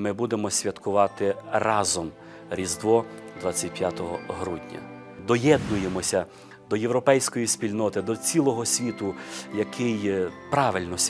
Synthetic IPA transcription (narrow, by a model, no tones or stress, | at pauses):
mɪbud̪emɔsʲʋʲɐt̪kʊʋɑt̪ɪrɑzɔm | ɾʲizd̪ʋɔd̪ʋɑt͡sʲːɐtʲpʲjat̪ɔɦɔɦɾudʲnʲɐ̰ | d̪ɔjɛd̪nʊjemɔsʲɐ | d̪ɔjeʋɾɔpɛjsʲkɔjisʲpʲilʲnɔt̪ɪd̪ɔt͡sʲilˠɔɦɔsʲʋʲit̪ʊjɐkʰɪjpɾɑʋɪlʲnɔsʲ